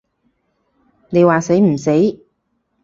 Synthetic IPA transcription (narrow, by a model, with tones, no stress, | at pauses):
ne˨˧jwaː˨se˨˥jm̩˨˩se˨˥j